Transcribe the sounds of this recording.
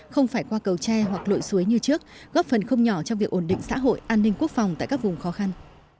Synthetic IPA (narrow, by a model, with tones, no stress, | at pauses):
xə˧wŋ͡mfaː˧˩jkwaː˧kə˨˩wt͡ɕɛ˧ɦwa˨˩k̚lo̰˧˨jsu˨˦əjɲɨ˧t͡ɕɨ˦˥ək̚ɣɔ˦˥p̚fə˨˩nxə˧wŋ͡mɲɔ˧˩t͡ɕɔ˧ŋ͡mvi˨˩ək̚ʔo˧˩nɗḭ̈˧˨ŋsa̰ː˧˥ɦo̰˧˨jʔaː˧nːi˧ŋ̟ku˦˥ək̚fa˨˩wŋ͡mt̪a̰ː˧˨kaː˦˥k̚vʊ˨˩ŋ͡mxɔ˨˦xa˧n